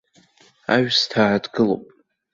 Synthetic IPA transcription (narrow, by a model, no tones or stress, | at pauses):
aɥstʰaːdɡɨlo̰pʼ